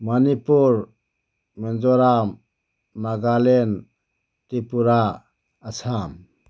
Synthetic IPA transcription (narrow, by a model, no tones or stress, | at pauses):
manipuɾ | mɛnd͡ʒɔɾam | naɡalen | tipuɾaː | sʰam